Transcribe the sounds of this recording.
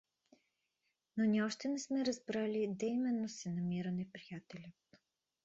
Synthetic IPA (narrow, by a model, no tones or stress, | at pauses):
noniɔʃt̪ɛnɛsmɛɾɐzbɾalʲid̪ɛjmɛnːosɛnɐmiɾənɛpɾijat̪ɛlʲət̪